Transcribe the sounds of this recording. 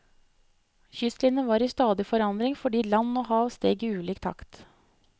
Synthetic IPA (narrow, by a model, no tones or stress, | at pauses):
çʏslɪnəʋɑːɾiːst̪ɑːd̪ɪfɔɾɑnd̪ɾɪŋfɔɖiːlɑnːoːɦɑːʋst̪eːɡəʉːliːkt̪ʰɑ̰kt̪